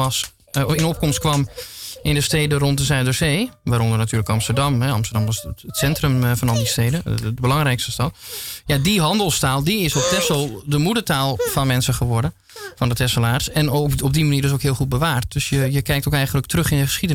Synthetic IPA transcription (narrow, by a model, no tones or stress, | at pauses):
ɑs | ɪnɔp̚kɔmstkʋɑmɪndəsteːdərɔnt̚dəsœɥdəɹzeːʋaːɾɔndərnatyːləkɑmstəɹdɑmɦɛɑ̰mstərdɑmʋɑsətsɛntrəmfɑnɑlˠdisteːdədəbəlɑŋrɛjkstəstɑtjadiɦɑndəlˠstaːlˠdiɪsɔp̚tɛsəlˠdəmudətaːlˠfɑnmɛnsəχəʋɔɹdə | fɑndətɛsəlaːrsɛnoɔb̚dimaniːrdɪs̬owkɦɪəlˠχut̚bəʋaːrt̚d̥øsjəjəkɛjktowkɛjxən̩lək̚trøχɪndəχə̥sχidə